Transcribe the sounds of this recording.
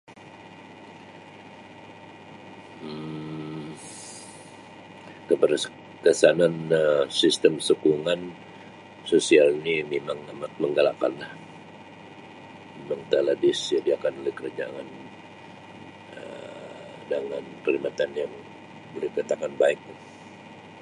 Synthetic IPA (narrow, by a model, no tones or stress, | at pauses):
kəpər | kəsananəsist̪əmsukuŋan | sosialnimemaŋamat̪̚məŋɡalaka̰nlah | memaŋt̪aladɪsjadiakanolɛhkəɾad͡ʒaŋan | ə | daŋanpəɾimat̪anjaŋ | bolɪhkat̪akanbaɪk̚